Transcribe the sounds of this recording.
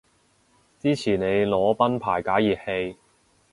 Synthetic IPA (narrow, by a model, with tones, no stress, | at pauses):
t͡siː˥t͡sʰiː˨˩ne˨˧jlɔː˨˧˥pɐ˥npʰaː˨˩jkaː˨˥jiː˨˩p̚he˧j